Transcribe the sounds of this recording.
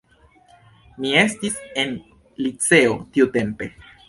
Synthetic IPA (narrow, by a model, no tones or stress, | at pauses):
mie̞stise̞n | lit͡se̞otiute̞mpe̞